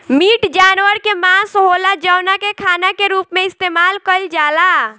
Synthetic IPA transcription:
miːʈd͡ʒaːnʋəɾkemãsɦolad͡ʒəʊnakekʰaːnakeɾuːpmẽɪst̪eːmaːlkəld͡ʒaːla

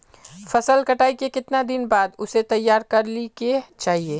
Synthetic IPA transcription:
fɐsəlkɐʈaːikekɪt̪nad̪ɪnbaːd̪ʊset̪ɐjːaːɾkɐɾliket͡ʃaːɦieː

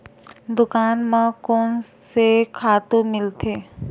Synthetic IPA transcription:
d̪ʊkaːnmãkoːnsekʰaːt̪ũmɪlt̪ʰeː

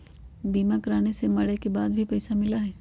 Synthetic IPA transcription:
biːmakɾaːnesemɐɽekebaːd̪̚bʱipɐɪsamɪlaɦɛː

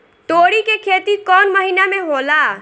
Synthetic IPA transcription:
ʈ̪oɽikekʰet̪ikɔːnməɦinameɦola

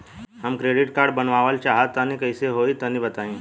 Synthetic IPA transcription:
ɦəmkɾeːɖɪʈkaːɾɖ̚bɐnʋaːʋəlt͡ʃaːɦat̪ːɐnĩkɐɪseɦoːit̪ɐnĩbɐt̪aːĩː

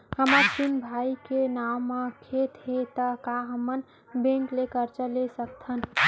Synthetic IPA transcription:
həmaɾpinbʱaikenawmekʰet̪ɦet̪əkaɦəmən | bẽŋklekəɾt͡ʃəlesək̚t̪ʰən

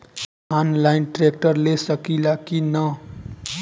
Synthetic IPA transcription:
anlajnʈrek̚ʈʌrlesʌkilakinʌ

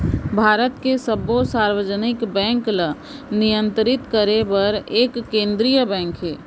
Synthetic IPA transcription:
bʱaːɾət̪kesəbosaːɾwəd͡ʒənɪkbɛ̃ːŋklə | nijə̃nt̪ɾɪt̪kəɾebəɾeːkːẽːnd̪ɾijəbɛ̃ːŋkɦɛː

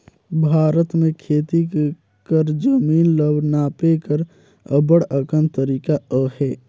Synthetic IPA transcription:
bʱaːɾət̪mẽkʰeːt̪i | kəɾd͡ʒəmiːnləbnaːpekəɾ | əbəɽəkənt̪əɾiːkaəhɛː

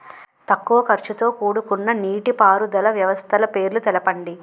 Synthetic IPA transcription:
t̪ɐkːuʋɐkɐɾt͡ʃut̪o̞ːkuːɽukunːɐniːʈipaːɾud̪ɐlɐʋjɐʋɐst̪ʰɐlɐpe̞ːɾlut̪ɛlɐpɐɳɖi

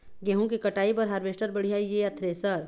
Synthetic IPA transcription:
ɡeɦũkikɐʈaːipɐɾɦɐɾʋeːʃʈəɾbəɽ̤ijaːijeɐt̪ʰɾesɐɾ

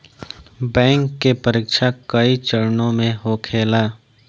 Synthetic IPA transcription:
bɛ̃ːŋkːepəɾɪːkʃakəit͡ʃəɾnõmẽɦokʰeːlaː

